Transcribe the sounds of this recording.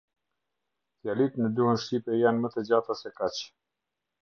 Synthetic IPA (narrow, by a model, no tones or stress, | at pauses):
θjalit̪nəd̪uhɔnʃipɛjanmət̪ɛd͡ʑat̪asɛkat͡ɕ